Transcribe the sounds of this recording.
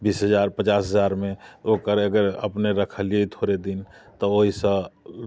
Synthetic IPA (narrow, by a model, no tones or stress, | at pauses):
biːsɦəd͡ʒaɾpət͡ʃaːsɦəzaɾmẽokəɾəɡəɾə̰pneɾəkʰəliet̪ʰoɾed̪in | t̪ɔoɦisə